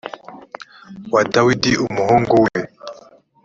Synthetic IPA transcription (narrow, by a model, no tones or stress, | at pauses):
wadawidiʔumuhɔŋɡɔwɛɛ